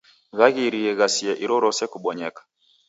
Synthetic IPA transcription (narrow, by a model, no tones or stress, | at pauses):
ɣaɣiɾiɛɣasiɛʔiɾɔɾɔsɛkuɓɔɲɛkḁ